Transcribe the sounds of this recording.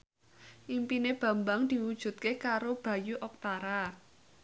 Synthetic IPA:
ʔimpineb̥ä̤mbaŋd̪̥i̤wud̥ʒ̥ṳt̪̚kekaɾob̥ä̤juʔɔk̚t̪aɾa

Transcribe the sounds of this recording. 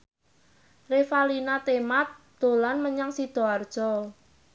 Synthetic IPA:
refalinat̪emat̪̚ | d̪̥olanməɲaŋsid̪̥ɔ̤ard̥ʒ̥ɔ

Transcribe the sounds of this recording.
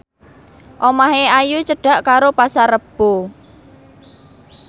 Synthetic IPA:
ʔomaɦeajut͡ʃəɖ̥a̤ʔkaɾopasaɾəb̥o

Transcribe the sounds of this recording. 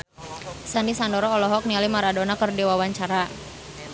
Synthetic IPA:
sandisandɔɾɔːlɔɦɔk̚nialimaɾadonakərdiwawaɲt͡ʃaɾa

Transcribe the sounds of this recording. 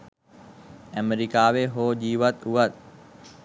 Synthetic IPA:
əmeɾikaːʋeɦoːd͡ʑiːʋət̪uʋət̪̚

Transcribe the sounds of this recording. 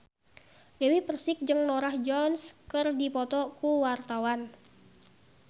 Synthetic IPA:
dɛwipərsɪk̚d͡ʒɨŋnɔɾahd͡ʒɔnskərdipɔt̪ɔkuwart̪awan

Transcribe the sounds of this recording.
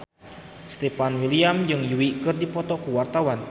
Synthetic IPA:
st̪epanwiliamd͡ʒɨŋjuwikɨrdipɔt̪ɔkuwart̪awan

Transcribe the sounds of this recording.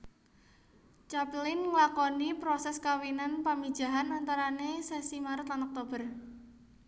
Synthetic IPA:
t͡ʃaplɪnŋlakɔnipɾɔsɛskawinanpami̥ʒ̥a̤ɦanant̪aɾanesesimaɾət̪anɔk̚t̪ob̥ə̤r

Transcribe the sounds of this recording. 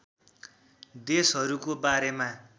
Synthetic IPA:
d̪esɦʌɾukobaɾema

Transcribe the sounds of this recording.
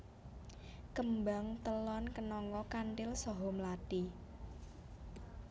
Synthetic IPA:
kəmbaŋt̪əlɔnkənɔŋkɔkanʈɪlsɔɦɔmlad̥i

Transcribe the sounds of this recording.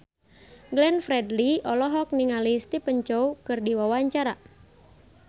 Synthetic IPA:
ɡlɛnfɾɛdliɔlɔɦɔk̚niŋalist̪ipəɲt͡ʃɔukɨrdiwawaɲt͡ʃaɾa

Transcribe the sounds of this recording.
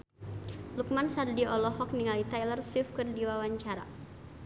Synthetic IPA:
luk̚mansardiɔlɔɦɔk̚niŋalit̪ajlərsɪfkərdiwawaɲt͡ʃaɾa̰

